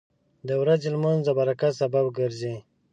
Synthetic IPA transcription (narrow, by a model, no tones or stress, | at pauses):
d̪əwɾazelmanzd̪əbaɾakasababɡəɾze